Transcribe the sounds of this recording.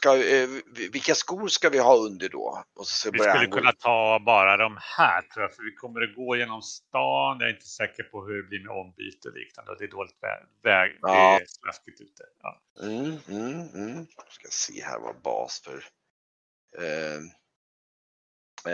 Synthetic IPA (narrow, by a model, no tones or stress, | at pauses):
ska | vɪlkaskuːɾskavɪhɑːɵnd̪əɖɔ̰ʔɔsɔ̥skabvɪssaɵlːəkʰnːat̪ʰɑːbɑːɾad̪ɔmhæːʈʰɾuːjafœɾvɪkʰɔmːəɾɔɡoːjeːnɔmst̪ɑːnja̰ɾɪnt̪ə̥sɛːkəɾpʰɔɦɵɾɛbliːɾmɛɔmːby̰ːt̪ɔlḭːknand̪əɔd̪ɛːd̪oːlɪɡ̚t̪vɛ̰ | vɛːɡdst̪ɾaskɪt̪ʉ̟ːt̪ə̥ɑ̰ː | m̩ | skajasḛːhæ̰ːɾva̰bɑ̰ːsfœ̰ɾ